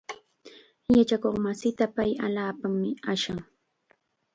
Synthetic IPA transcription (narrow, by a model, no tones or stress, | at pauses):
jat͡ʃakoχmasɪt̪apajaʎaːpamːɪaʃaŋ